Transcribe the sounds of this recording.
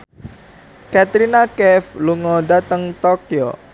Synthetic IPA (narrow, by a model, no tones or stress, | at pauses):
kat̪ɾinakɛfluŋɔdat̪əŋt̪okio̰